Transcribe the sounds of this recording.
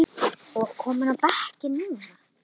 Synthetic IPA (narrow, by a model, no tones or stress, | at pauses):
ɔɣkʰɔːmʏnawpɛhcɪnːuːna